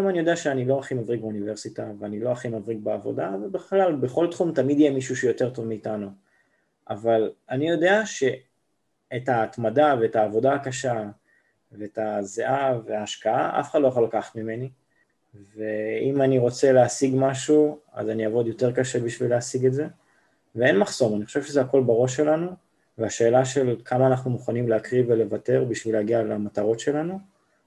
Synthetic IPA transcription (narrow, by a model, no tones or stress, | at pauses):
amanijo̞deaʃeanilo̞aχimavʁiɡ̚beunive̞ʁsitaveanilo̞aχimavʁiɡ̚beavo̞̰davbeχlalbeχo̞ltχumtamid̪jemiʃuʃejo̞te̞ʁto̞vmiːtanu | ʔavalanijo̞de̞aʃe̞ː | taːtmadave̞ːtaːvo̞daːkaʃa | veetazeʔaveaːʃkaaʔa̰feχadloaχolakaχḁtmime̞ni | veimaniʁo̞t͡se̞leasiɡmaʃua̰zaniavo̞djo̞te̞ʁkaʃe̞biʃvileasiɡetze̞ | vee̞nmaχso̞maniχo̞ʃevʃezeako̞lbaʁo̞ʃ̬ːe̞lanu | veaʃe̞ːlaʃe̞lkʰamaːnaχnumuχanimleakʁivele̞vate̞ʁbiʃvileaɡialemataʁo̞tʃe̞lanu